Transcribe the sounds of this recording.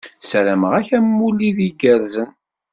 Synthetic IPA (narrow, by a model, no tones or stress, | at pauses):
sɾəmʁæçæmːulːiðiɡəɾzən